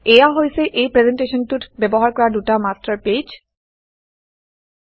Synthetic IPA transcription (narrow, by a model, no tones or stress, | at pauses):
ejaɦojsɛʔejpɹezenteʃɔntutbebɔɦaɹkɔɹadutamastaɹped͡ʒ